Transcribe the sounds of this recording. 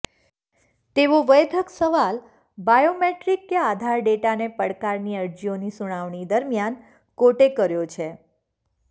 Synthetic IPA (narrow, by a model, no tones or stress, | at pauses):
t̪eʋoʋəjd̪ʱəksəʋal | bajomeʈɾikːead̪ʱaɾɖeʈanepəɽkaɾniəɾd͡ʒionisuɽ̃aʋɳ̃id̪əɾmjan | koʈekəɾjot͡ʃʰe